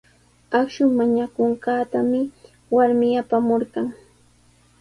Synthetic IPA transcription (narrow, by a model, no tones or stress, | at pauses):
akʃʊŋmaɲakoɴkɑːt̪amɪ | waɾmɪjapamoɾɢɑŋ